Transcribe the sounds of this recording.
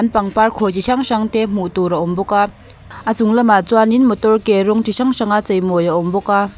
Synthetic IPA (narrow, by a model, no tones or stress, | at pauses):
anpaŋparkʰɔt͡ɕiʃaŋʃaŋt̪ɛm̥uʔt̪uɾaɔmbɔka | ʔat͡suŋlɐmat͡suaninmɔt̪ɔrkɛɾɔŋtiʃʰaŋʂaŋat͡sejmɔjaʔɔmbɔka